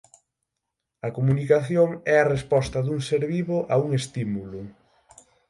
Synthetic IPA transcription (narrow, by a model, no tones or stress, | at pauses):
ɐkomunikaθjoŋɛɐrespɔst̪ɐðuŋseɾβiβoʔauŋest̪imulʊ